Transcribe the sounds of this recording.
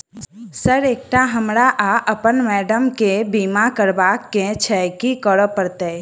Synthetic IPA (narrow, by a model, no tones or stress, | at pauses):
səɾeːk̚ʈaɦəmɾaʔaʔəpənmɛːɖəmkebiːmakəɾbaːkːẽt͡ʃʰɛkikəɽəpəɾt̪eː